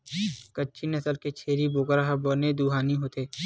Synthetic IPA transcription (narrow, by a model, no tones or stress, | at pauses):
kətːt͡ʃʰinɐsəlket͡ʃʰeːɾiboːkɾaɦboːned̪uːɦaːniɦoːt̪eː